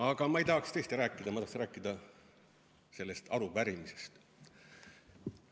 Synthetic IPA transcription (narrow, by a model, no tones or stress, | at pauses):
ɑɡ̥ɑmɑejt̪ɑːkst̪eːst̪iɾæːkːˑid̪̥ɑmɑt̪ɑhksræːkːˑid̪̥ɑ | se̞lːe̞st̪ɑɾuvæɾimise̞̥st̪